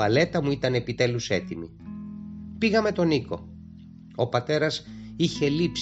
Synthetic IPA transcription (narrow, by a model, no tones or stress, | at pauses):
ɐle̞t̪ɐmuit̪ɐne̞pit̪e̞luse̞t̪imi | piɣɐme̞t̪o̞niko̞ | o̞pɐt̪e̞ɾɐsiçe̞lips